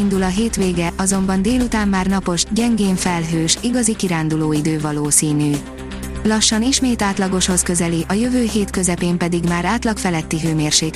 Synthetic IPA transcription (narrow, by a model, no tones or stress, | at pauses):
ind̪ulɒɦeːt̪ʋeːɡɛʔɒzo̞mbɒnd̪eːlut̪aːmːaːrnɒpo̞ʒɟɛŋɡeːɱfɛlɦøːʃiɡɒzikiɾaːnd̪uloːid̪øːvɒloːsiːnyː | lɒʃːɒniʃmeːt̪aːt̪lɒɡo̞ʃho̞skø̞zɛliʔɒjøvøːɦeːt̪kø̞zɛpeːmpɛd̪iɡmaːɾaːt̪lɒkfɛlɛt̪ːiɦøːmeːrʃeːk